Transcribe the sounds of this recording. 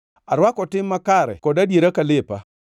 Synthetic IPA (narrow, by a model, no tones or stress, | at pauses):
aɾwakɔtɪmːakaɾɛ̰kɔdadjeɾakalɪpa